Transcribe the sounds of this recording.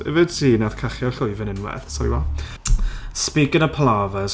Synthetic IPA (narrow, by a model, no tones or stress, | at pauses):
ə̰vəd̥siːnað̥kʰaχjaɬʊjvənɪnwɛ̰θsalḭwa | spɪɡənəpʰlˠavəs